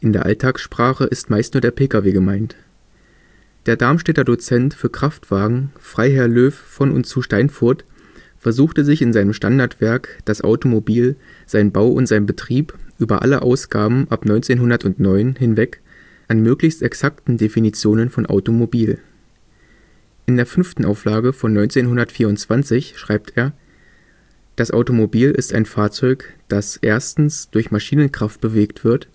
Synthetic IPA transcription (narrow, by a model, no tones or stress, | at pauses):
ʔɪndeːɐʔa̰ltʰaːksʃpʁ̥aːχəʔɪstmaɪstnuːɐdeːɐpʰeːkaveːɡəmaɪnt | d̥eːɐdaɐmʃtɛtɐdot͡sɛntfyːɐkʁ̥aftv̥aːɡŋ̩fʁ̥aɪɦɛɐløːffɔnʊ̰ntt͡suːʃtaɪnfʊɐt | fɛɐzuːxtəzɪçɪnzaɪnəmʃtandaɐtv̥ɛɐkd̥asʔa̰ʊtomobiːlz̥aɪnbaʊʔʊ̰ntz̥aɪnbətʁ̥iːpʔyːbɐ̰ʔa̰ləʔa̰ʊsɡ̥aːbm̩ʔapnɔʏnt͡seːnɦʊndɐtʊntnɔʏnhɪnvɛk | ʔanmøːklɪçstɛksaktn̩definit͡sjoːnənfɔnʔa̰ʊtomobiːl | ʔɪndeːɐfʏnftn̩ʔaʊflaːɡəfɔnːɔʏnt͡seːnɦʊndɐtfiːɐʊntt͡sv̥ant͡sɪçʃʁ̥aɪptʰeːɐ | d̥asʔa̰ʊtomobiːlɪ̰sta̰ɪnfaːɐt͡sɔʏkd̥asʔeːɐstn̩sd̥ʊɐçmaʃiːnənkʁ̥aft̚b̥əveːktv̥ɪɐt